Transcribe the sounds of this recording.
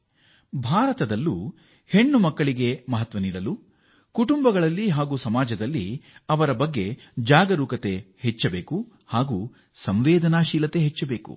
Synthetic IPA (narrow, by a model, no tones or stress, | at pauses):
bʱaːɾɐt̪ɐd̪ɐlːuː | he̞ɳːumɐkːɐɭiɡe̞mɐɦɐt̪ʋɐniːɽɐlu | kuʈumbɐɡɐɭɐlːiɦaːɡuːsɐmaːd͡ʒɐd̪ɐlːḭɐʋɐɾɐbɐɡːe̞ | d͡ʒaːɡɐɾuːkɐt̪e̞het͡ʃːɐbeːku | haːɡuː | sɐmʋɛːd̪ɐnaːʃiːlɐt̪e̞ɦet͡ʃːɐbe̞ːkṵ